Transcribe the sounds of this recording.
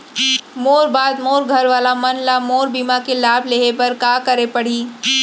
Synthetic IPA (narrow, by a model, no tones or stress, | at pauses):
moːɾbaːd̪moːɾɡʱɐɾʋaːlamɐnlamoːɾbiːmakelaːbʱleːɦepɐɾkaːkɐɾepɐɽ̤iː